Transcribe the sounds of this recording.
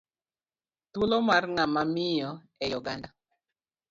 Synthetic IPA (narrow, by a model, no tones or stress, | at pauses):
t̪ulomarŋamamɪjɔ | ɛjɔɡa̰nda